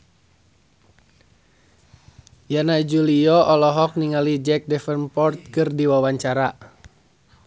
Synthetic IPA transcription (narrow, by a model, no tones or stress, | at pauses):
janad͡ʒuliɔʔɔlɔɦɔk̚niŋalid͡ʒɛk̚dɛfənpɔrt̪̚kɨrdiwawaɲt͡ʃaɾa